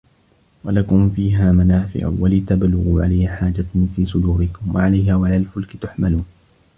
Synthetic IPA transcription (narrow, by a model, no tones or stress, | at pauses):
walakʊmfiːɦaːmanaːfɪ̰ʕʊ̰walɪt̪ablːʊɣuːʕa̰lajːaħaːd͡ʒafiːsʊd̪uːɾɪkʊmwa̰ʕalajhaːwaʕalaːlfʊlkɪt̪ʊħmaluːn